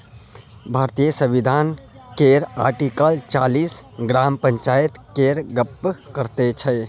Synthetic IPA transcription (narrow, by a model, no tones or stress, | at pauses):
bʱaːɾt̪ijəsə̃ʋid̪ʱaːn | keɾa̰ːɾʈikəlt͡ʃaːliːsɡɾaːmpə̃ɲt͡ʃaːjət̪keɾɡəpːkəɾt̪et͡ʃʰɛ